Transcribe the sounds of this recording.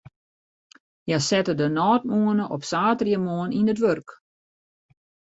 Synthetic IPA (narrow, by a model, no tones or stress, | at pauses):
jasɛtədənɔːt̚muənəʔɔpsaːtrjəmoəninətʋørk